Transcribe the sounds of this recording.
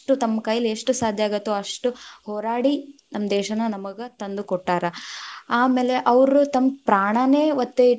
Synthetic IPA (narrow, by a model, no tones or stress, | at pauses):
ʈut̪ɐmːɐkaːjɐleʂʈusaːd̪ʱjaːɡɐt̪ːuɐʂʈuhɔːɾaːɽinɐmːɐd̪ɛːʃɐnɐnɐmɐɡet̪ɐnd̪ukɔʈːaːɾɐaːme̞ːleʔɐʋɾut̪ɐmpɾaːɳɐne̞ːʋɐt̪ːe